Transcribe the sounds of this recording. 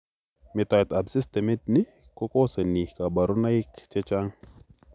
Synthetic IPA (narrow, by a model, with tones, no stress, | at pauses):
mi˨t̪a˨jt̪a˨bsi˦st̪ɛ˨mi˦t̪̚ni˦ | ko˦ko˦se˨ni˨hka˨ba˨ɾu˦na˦i˦kt͡ʃɛ˦t͡ʃa˦ŋ